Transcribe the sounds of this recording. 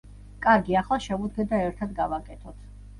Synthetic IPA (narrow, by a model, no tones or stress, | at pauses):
kʼaɾɡiaχlˠaʃɛud̪ɡɛd̪aɛɾt̪ʰad̪ɡavakʼɛt̪ʰɔt̪ʰ